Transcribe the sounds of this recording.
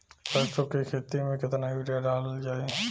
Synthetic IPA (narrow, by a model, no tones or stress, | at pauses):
pɐsokikʰeːt̪imẽkɪt̪najuːʈijaɖaːld͡ʒaːe